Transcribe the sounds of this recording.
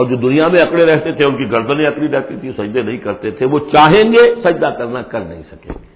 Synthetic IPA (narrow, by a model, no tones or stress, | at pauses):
ɔːɾd͡ʒoːd̪ʊnijamẽɐkɽeɾɛɦt̪et̪ʰeʊnkiɡəɾd̪ənẽɐkɽiɾɛɦt̪it̪ʰisɐd͡ʒd̪enɐɦĩkɐɾt̪et̪ʰeʋot͡ʃaːɦẽːŋɡesɐd͡ʒd̪akəɾnakəɾnɐɦḭ̃sɐkḛ̃ːɡeː